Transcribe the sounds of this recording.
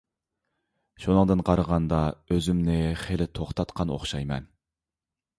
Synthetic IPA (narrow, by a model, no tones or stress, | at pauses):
ʃunɨŋd̪ɨnqʰɑɾəʁɑnd̪ɑøzymnɪχelɪt̪ʰoχt̪ʰɑt̪qʰɑno̰χʃɑjmɛ̰n